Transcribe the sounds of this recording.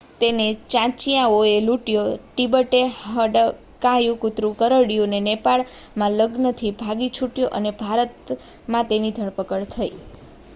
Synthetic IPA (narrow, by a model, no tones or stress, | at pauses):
t̪enet͡ʃãt͡ʃijãoeluʈjoʈibəʈeɦəɖə | kãjũkut̪ɾũkəɾəɽijunenepaɭmãləɡnət̪ʰibʱaɡit͡ʃʰuʈjoʔənebʱaɾət̪ | mãt̪enid̪ʱəɭpəkəɭt̪ʰəi